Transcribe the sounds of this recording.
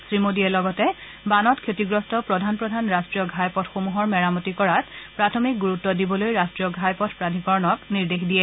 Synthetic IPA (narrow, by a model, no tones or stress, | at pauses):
sɹimodiɛlɔɡɔtɛ | banɔtkʰetiɡɹɔstɔpɹɔdʱanpɹɔdʱanɹastɹijɔɡʱajpɔtʰxomuɦɔɹmɛɹamɔtikɔɹatpɹatʰɔmik̚ɡuɹutːɔdibɔlojɹastɹijɔɡʱajpɔtʰpɹadʱikɔɹnɔkniɹdexdijɛ